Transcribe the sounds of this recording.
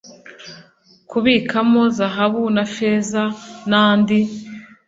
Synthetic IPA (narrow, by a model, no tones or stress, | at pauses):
kuβiːkʰamo̞zaɦaβunafeːzanaːndi